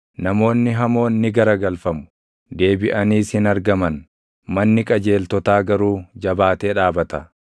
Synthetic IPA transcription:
nɐmo̞ːnːɪɦɐmo̞ːnːɪɡɐɾɐɡɐlfɐmʊ̥ | d̪e̞ːbɪʔɐniːshɪnɐɾɡɐmɐn | mɐnːɪkʼɐd͡ʒe̞ːlt̪ɔt̪aːɡɐɾuːd͡ʒɐbaːt̪e̞ːᶑaːbɐt̪ɐ

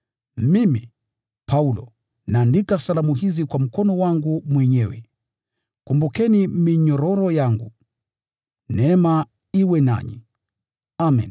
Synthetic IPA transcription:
mimi | pʰaulɔ̰ | naːndikasalamuɦizikwam̩kɔnɔwaŋɡumwɛɲɛwɛ̰ | kumbukɛnimiɲɔɾɔɾɔjaŋɡu | nɛma | iwɛna̰ɲḭ | amɛ̰n

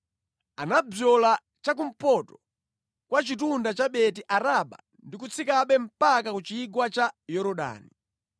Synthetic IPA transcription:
anabɔla | t͡ʃak̬um̩pɔtɔ̥ | kwat͡ʃitundat͡ʃaɓɛtiʔaɾaɓa̰ | ndikut͡sʰikaɓɛm̩pak̬akut͡ʃiːɡwat͡ʃajɔɾɔɗa̰ːni

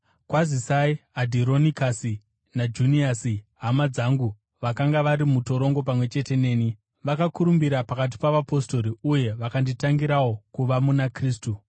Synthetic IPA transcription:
kwazisaiadʱiɾo̞nikasi | nad͡ʒuniasiɦamad͡zaŋɡu | ʋakaŋɡaʋaɾimuto̞ɾo̞ŋɡo̞p̬amwe̞t͡ʃe̞te̞ne̞ːni | ʋakakuɾumbiɾapakat̬i̥paʋapo̞sto̞ɾiuje̞ʋakanditaŋɡiɾawo̞kuʋamunakriːstu

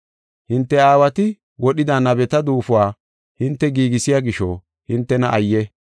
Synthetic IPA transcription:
hɪnt̪ːɛaːwɐt̪ɪ | wɔɗɪd̪aːnɐbɛt̪ɐd̪uːfʊwaː | hɪnt̪ːɛɡiːɡɪsɪjaːɡɪʃɔ | hɪnt̪ːɛnɐʔɐjːɛ

